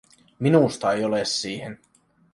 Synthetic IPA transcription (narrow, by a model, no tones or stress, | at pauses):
minust̪ɑejolesːiːhen